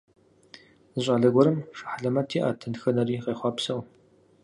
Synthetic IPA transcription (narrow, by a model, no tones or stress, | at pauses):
zɨɕʷʼɐɮɐɡʷɔɾɨmʂḁħaɮɐmɐtʰiːʔa̰ːtʰɨnxɐnɐriːqeːχʷɑpsɐw